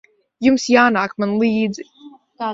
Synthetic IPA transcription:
jumsjaːnaːkmanlˠiːd̪zi

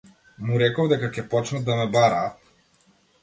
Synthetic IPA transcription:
muɾɛkɔvd̪ɛkakʲɛpɔt͡ʃnad̪amɛbaɾaːt̪

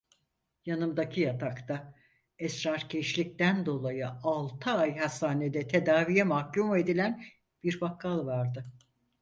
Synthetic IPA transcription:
janɯmd̪acʰijat̪ʰakt̪a | ɛsɾaɾcʰeʃlʲic̚t̪ænd̪o̞lˠajɯalˠt̪ʰɯajɦast̪aːned̪ɛt̪ʰe̞d̪aːvijɛmahcume̞d̪ilʲæn | b̥iɾbakʰːalˠvaɾd̪ɯ

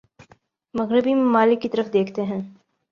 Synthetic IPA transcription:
mɐɣɾɪbimaːlɪkːit̪ɐɾəfd̪eːkʰt̪eɦɛ̃ː

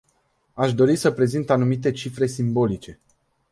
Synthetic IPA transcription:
aʃd̪o̞ɾisəpɾe̞zint̪anumit̪e̞t͡ʃifɾe̞simbo̞lit͡ʃe̞

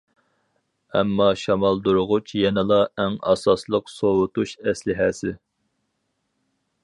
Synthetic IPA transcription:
ɛ̰mːɑʃɑmɑlˠd̪uɾʊʁʊt͡ʃʰjɛnɨlˠɑɛŋɑ̰sɑslˠəqsowʊt̪uʃɛslɪɦɛsɪ

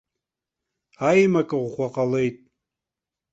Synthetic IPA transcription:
ajmakʼɨʁʷʁʷaqʼale̞jtʼ

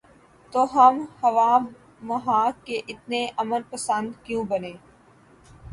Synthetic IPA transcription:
t̪oːɦəmhɐʋaː | ɐɦãːkeʔɪt̪neʔɐmənpəsə̃nd̪kjũːbənẽː

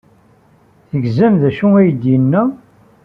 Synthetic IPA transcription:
θəɡzæmðæʃuæjəd̪jənːæ

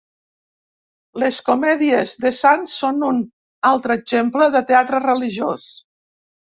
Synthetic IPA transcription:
ləskomɛðiəzðəsansːonun | alˠt̪ɾəːɡʒempləðət̪eat̪ɾərəliʒjos

